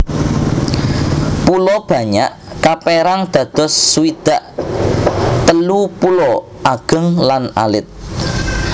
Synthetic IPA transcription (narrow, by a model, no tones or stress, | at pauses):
pulɔb̥ä̤ɲa̰ʔkapeɾaŋd̪̥ä̤d̪̥ɔ̤sːuwid̪̥a̤ʔ | t̪əlupulɔ | ʔaɡ̥ə̤ŋlana̰lɪt̪̚